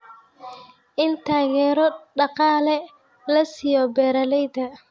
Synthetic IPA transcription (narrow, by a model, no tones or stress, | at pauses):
ʔɪnt̪ʰaːɣɛːɾɔɖɑqɑːlɛ | lɐsɪjɔbɛːɾɐlɛjd̪ɐ